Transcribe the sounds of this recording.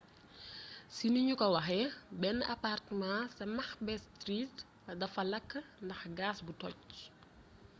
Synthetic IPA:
siniɲukɔwɐxɛbɛnɐpartmãsɐmɐxbɛstɾit | ɐdɐfɐlɐkːndɐxɡaːsbutɔc

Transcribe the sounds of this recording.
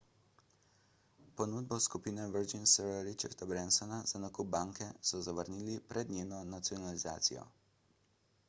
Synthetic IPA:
pɔnuːd̪̚bɔskupiːnɛʋəɾd͡ʒinsɛɾɾit͡ʃa̰ɾt̪abɾɛnsɔnaz̥anakub̚baːŋkɛsɔzaʋəɾniːlipɾʔɛd̪nʲjeːnɔnat̪siɔnaliza̰ːt̪sḭjɔ̰

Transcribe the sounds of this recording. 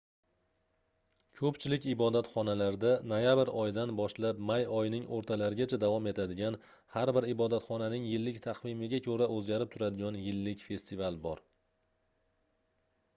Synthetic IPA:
kʲʰɵpt͡ʃʰɪlɪkʲɪbɒd̪at̪χɒnalaɾd̪anojabɾɒjd̪anbɒʃlapmajɒjnɪŋoɾt̪ʰalaɾɪɡʲat͡ʃʰad̪avɒme̞t̪ʰad̪ɪɡʲan | haɾbɪɾɪbɒd̪at̪χɒnanɪŋjɪlːɪkʲt̪ʰaqvɪmɪɡʲakʰɵɾaʔɵzɡʲaɾɪp̚t̪ʰʊɾad̪ɪɡʲɒnjɪlːɪkʲfe̞st̪ivalˠbɒɾ

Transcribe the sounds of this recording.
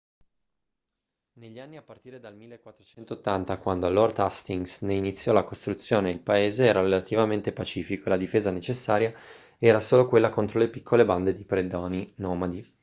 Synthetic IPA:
neʎːianːiapːart̪iːɾed̪almilːekwat̪ːɾot͡ʃɛnt̪oːt̪ːant̪akwand̪olord̪ast̪iŋɡsneinit̪sːjɔlakost̪ɾut̪sːjoːneilpaeːzeɛːɾaɾelat̪ivament̪epat͡ʃiːfikoelad̪ifeːzanet͡ʃesːaːɾja | ɛːɾasoːlokwelːakont̪ɾolepikʰːoleband̪ed̪ipɾed̪ɔːninɔːmad̪i

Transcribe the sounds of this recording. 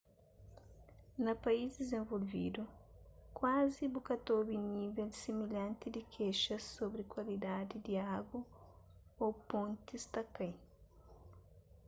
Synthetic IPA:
nɐpaizd̪ezẽɱvolvḭd̪ukwazibukɐt̪obinivelsimiʎɐ̃nt̪id̪ikʰeʃɐsobɾɪkwalid̪ad̪id̪iaɡwɐ | opõnt̪ist̪akaj

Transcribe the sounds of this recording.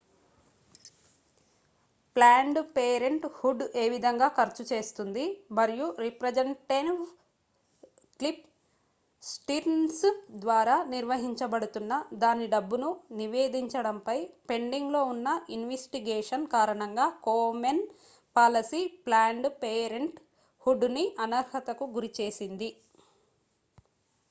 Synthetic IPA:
plaːɳɖpeːɾeɳʈhuɖe̞ːʋid̪ʱɐŋɡaːkɐɾt͡ʃut͡ʃe̞ːst̪und̪imɐɾijuɾipɾɐd͡ʒeɳʈe | klip | sʈiɾnsd̪ʋaːɾaːniɾʋɐɦiɲt͡ʃɐbɐɽut̪unːɐd̪aːniɖɐbːununiʋe̞ːd̪iɲt͡ʃɐɽɐmpɐjpe̞ɳɖiŋɡlo̞ːunːɐʔinʋesʈiɡeːʂɐnkaːɾɐɳɐŋɡaːkoːmen | paːlɐsiplaːɳɖpeːɾeɳʈ | huɖːuniʔɐnɐɾhɐt̪ɐkuɡuɾit͡ʃe̞ːsind̪i

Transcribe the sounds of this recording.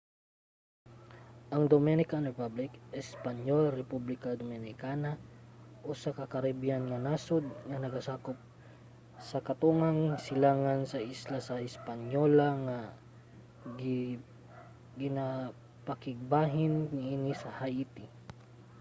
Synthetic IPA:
ʔɐŋd̪omɛnɪkanɹɛpablɪkɛspɐɲolɾɛpublɪkɐd̪omɛnɪkanaʔosɐkɐkɐɾibianŋɐnasʊd̪̚ŋɐnɐɡasaːkop̚ | sɐkɐt̪uŋaŋsɪlaːŋansɐʔislasɐɪspɐɲolɐŋa | ɡɪ | ɡɪna | pɐkɪɡ̚baːɦɪnniʔinisɐhajit̪i

